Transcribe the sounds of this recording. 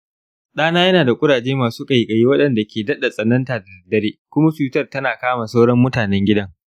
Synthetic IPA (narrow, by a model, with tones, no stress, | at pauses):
ɗaː˦naː˦jɐ˦naː˨da˨kʷʼʊ˦ɽaː˨d͡ʒeː˦maː˨suː˦kʼɐ˨i˨kʼɐ˨ji˦wɐ˦ɗɐ˨nda˨kʲʰeː˨dɐ˦ɗa˨sʼɐ˨nɐ˦ntaː˨dɐ˨dɐ˨dːɐ˦ɾeː˦kʷʊ˦ma˦t͡ʃuː˨tɐ˦˨rtɐ˦naː˨kaː˦ma˨sa˦wɽɔ˦mːʊ˦taː˨nɛ˦ŋɡʲɪ˦dɐ˦ŋ